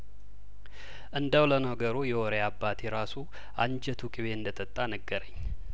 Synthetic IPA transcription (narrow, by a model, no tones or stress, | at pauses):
ʔɨnd̪əwlənəɡəɾujɛoɾeabːat̪ʰiɾasu | and͡ʒət̪ʰukʼiβe̞ɨnd̪ət̪ʼət̪ʼːanəɡːəɾəɲː